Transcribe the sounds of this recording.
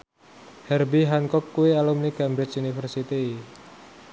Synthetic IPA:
hɛrbiɦaŋkɔkːuwialumnikɛmbɾɪt͡ʃunifərsit̪i

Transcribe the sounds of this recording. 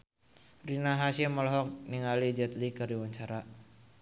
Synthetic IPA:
rinaɦasɛmɔlɔɦɔk̚niŋalid͡ʒɛt̪likərdiwaɲt͡ʃaɾa

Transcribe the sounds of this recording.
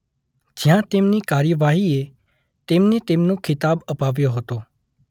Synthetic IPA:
d͡ʒɪjãt̪ɪmnikaːɾjəʋaːɦie | t̪ɪmnet̪ɪmnũkʰɪt̪aːbɐpaːʋjoɦoːt̪oː

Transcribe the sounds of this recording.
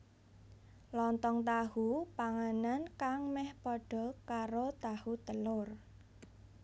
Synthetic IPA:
lɔnt̪ɔŋt̪ahupaŋanankaŋmɛhpɔɖ̥ɔ̤kaɾot̪ahut̪əlʊr

